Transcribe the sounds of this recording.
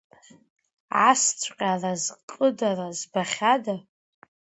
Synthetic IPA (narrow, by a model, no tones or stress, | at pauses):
ast͡sʷʰqʲʼalazqʼədarazbaχʲada